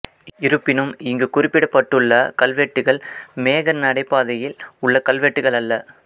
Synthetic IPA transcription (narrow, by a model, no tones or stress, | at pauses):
ɪɾɯpːɪnɯmɪŋɡɯkʊrɪpːɪɽɐpːɐʈːɯɭːɐkɐlʋeːʈːɯɣɐɭmeːɣɐnnɐɽɐɪpːaːðɐjɪlʊɭːɐkɐlʋeːʈːɯɣɐɭɐlːɐ